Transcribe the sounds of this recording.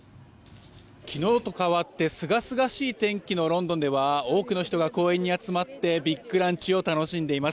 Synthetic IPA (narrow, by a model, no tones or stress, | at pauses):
kʲino̞ːt̪o̞kaβat̪ːe̞sɨɡasɨɡaɕiːt̪ẽ̞ŋkʲino̞ɾõ̞nd̪o̞nd̪e̞βao̞ːkɯ̟no̞çi̥t̪o̞ɡako̞ːẽ̞ɲ̟ːiat͡sɨmat̪ːe̞bʲikːɯ̟ɾãɲ̟t͡ɕio̞t̪ano̞ɕĩnd̪e̞imas